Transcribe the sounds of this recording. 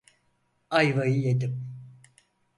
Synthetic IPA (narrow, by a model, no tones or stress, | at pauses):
ajvajɯjad̪ɯm